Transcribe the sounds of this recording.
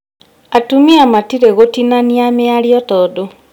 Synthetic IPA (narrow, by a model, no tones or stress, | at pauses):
atumiamatiɾeɣotinaniameaɾjɔtɔːdo